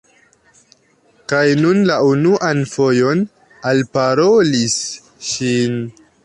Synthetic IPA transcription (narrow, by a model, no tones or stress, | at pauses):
kajnunlaunuʔanfo̞jo̞n | alpaɾo̞lis | ʃin